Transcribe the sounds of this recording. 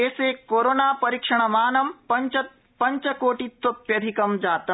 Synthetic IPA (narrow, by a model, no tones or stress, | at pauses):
eːseːkoːɾoːnaːpɐɾikʂɐɽ̃ɐmaːnɐmpɐt͡ʃɐ | pɐ̃ɲt͡ʃɐkoːʈit̪ːopjɐd̪ʱikɐmd͡ʒaːt̪ɐ